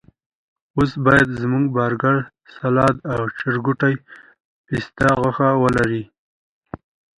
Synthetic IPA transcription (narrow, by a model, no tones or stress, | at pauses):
osbɑjad̪zmuŋɡbɑɾɡaɽ | salɑd̪awt͡ʃɪɾɡuʈaj | pist̪aɣəxawəlaɾi